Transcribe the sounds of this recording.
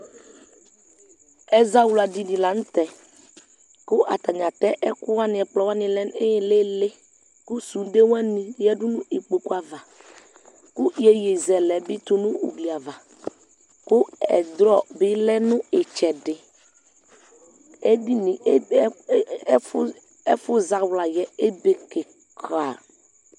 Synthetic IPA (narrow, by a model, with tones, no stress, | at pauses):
ɛ˦za˦wu˦la˨di˨ni˨la˨n̩˦tɛ˨ | kʊ˦ʔa˨t̪a˨ɲa˨tɛ˦ʔɛ˦kʊ˦wa˦nɪ̃˨ɛ˨k͡plɔ˨˦wa˦nɪ̃˨lɛ˦n˦ɪ˦le˦lɪ˦ | kʊ˦su˨˦de˦wa˦nĩ˨jɛ˦dʊ˦nʊ̃˦e˨k͡pe˨ku˦a˨va˨ | kʊ˦je˦je˨zɛ˨lɛ˨bɪ˦t̪u˨nʊ̃˦ṵ˨bli˨a˨va˨ | kʊ˦ɛ̰˨d̪ɾɔ˦˨bɪ˦lɛ˦nʊ̃˦ɪ˨t͡ʃɛ˨dɪ˨ | e˦di˦ni˨˦ | ɛ˦fʊ˦za˨wla˨jɛ˨e˦be˨ke˨ | kʰa˨